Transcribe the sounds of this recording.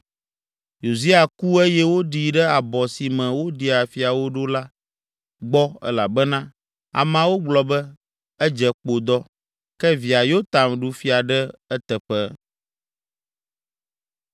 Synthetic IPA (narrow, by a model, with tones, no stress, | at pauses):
jo˨zi˦a˨ku˦ɛ˦jɛ˦wo˦ɖi˨ɖɛ˦a˨bɔ˨si˨mɛ̃˨wo˦ɖi˦a˨fi˦a˨wo˦ɖo˦la˦ | ɡ͡bɔ˦ɛ̰˦la˨bɛ˦nã˦ | a̰˨mã˨˦wo˦ɡ͡blɔ˨bɛ˦ | ɛ˦d͡ʒɛ˨k͡po˨d̪ɔ˦ | kɛ˦vi˨a˨jo˦t̪a˨mɖu˦fi˦a˨ɖɛ˦ɛ˦t̪ɛ˨ɸɛ˦